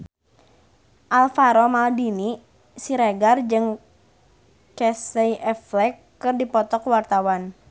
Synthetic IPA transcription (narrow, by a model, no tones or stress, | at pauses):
ʔalfaɾɔmaldini | siɾɛɡard͡ʒɨŋ | kɛsəiʔɛflɛkːɨrdipɔt̪ɔkwart̪awan